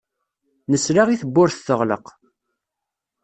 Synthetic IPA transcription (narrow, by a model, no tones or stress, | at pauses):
nəsɾaʁiθəbːʊɾθθəʁlə̰q